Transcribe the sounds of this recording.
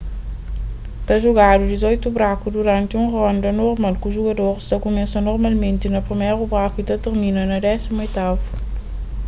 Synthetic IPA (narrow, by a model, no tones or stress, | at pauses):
t̪aʒuɣad̪ud̪izojt̪ubɾakud̪uɾɐ̃nt̪ũʁɔ̃nd̪ɐnoɾmalˠkuʒuɣɐd̪oɾʃt̪akumɛsɐ̃nɔɾmalˠmẽnt̪inɐpɾimejɾubɾakuit̪ɐt̪eɾminɐnɐd̪ɛsimojt̪avu